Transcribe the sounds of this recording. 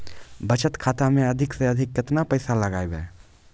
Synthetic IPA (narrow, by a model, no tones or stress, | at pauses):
bɐt͡ʃət̪kʰaːt̪amẽɐd̪ʱɪkseɐd̪ʱɪkːɪt̪napɐɪsalɐɡaːjbɛː